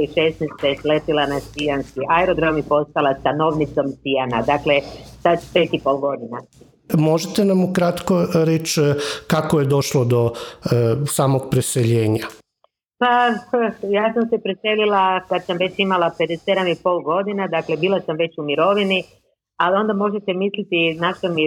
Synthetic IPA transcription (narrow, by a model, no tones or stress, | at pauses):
iʃesnest̪eslep̪ilanasijanskiʔaeɾod̪ɾamipo̞st̪alˠast̪ano̞ʋnit̪so̞msijanad̪akle̞sadpe̞t̪ipo̞lˠɡo̞d̪ina | mo̞ʒet̪enamukɾat̪koɾet͡ʃkakojed̪o̞ʃlˠod̪o̞ | saːmoɡ̚pɾeseʎe̞ːɲa | pa | jaːsamse̞pɾese̞lilakad̪samʋe̞t͡ɕimalape̞d̪esed̪amipo̞ːlˠɡo̞d̪inad̪akle̞biːlˠasamʋe̞t͡ɕumiɾo̞ʋini | alio̞nd̪amo̞ʒet̪e̞mislit̪inaʃt̪omi